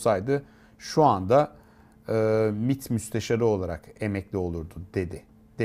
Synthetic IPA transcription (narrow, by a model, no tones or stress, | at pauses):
sajd̪ɯ | ʃuand̪a | ɯːmit̪myst̪ʰeʃaɾɯo̞lˠaɾake̞mɛclʲio̞lˠuɾd̪ʊd̪e̞d̪ɪ | d̪̥e